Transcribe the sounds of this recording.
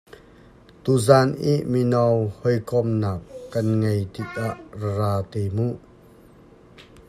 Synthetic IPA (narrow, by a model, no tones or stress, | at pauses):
t̪uzaːnʔḭʔminawhɔjkɔmnaːp̚kɐnŋejt̪ik̚ʔaʔraraːt̪ejmuʔ